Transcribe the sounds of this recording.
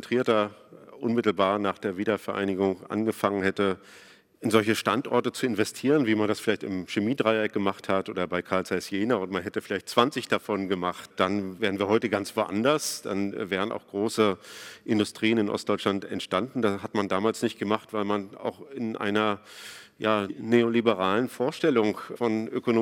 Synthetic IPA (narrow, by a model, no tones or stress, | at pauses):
ntʁ̥iːɐtɐʔʊnmɪtl̩baːɐnaːχd̥eːɐviːdɐfɛɐʔa̰ɪnɪɡʊŋʔa̰nɡəfaŋənhɛtə | ʔɪnzɔlçəʃtantʔɔ̰ɐtət͡suɪnvɛstʰiːʁənviːmandasfɪlaɪçtɪ̰mʃemiːdʁaɪɛk̚ɡ̥əmaχthatʔoːdɐbaɪkʰaɐlt͡saɪsjeːnɐʊntmanɦɛtəfɪlaɪçtt͡sv̥ant͡sɪçd̥afɔnɡəmaχtd̥anveːʁən̩viːɐɦɔʏtəɡant͡sv̥oʔa̰ndɐsd̥a̰nvɛːʁ̞əna̰ʊxɡ̥ʁoːsəʔɪndʊstʁ̥iːənɪnʔɔ̰std̥ɔʏt͡ʃlantɛ̰ntʃtandn̩dashatmandaːmaːlsnɪçt̚ɡ̥əmaχtv̥aɪlmana̰ʊxɪnʔa̰ɪnɐ | jaːneolibəʁ̞aːlənfoːɐʃtɛlʊŋfɔnʔøkonː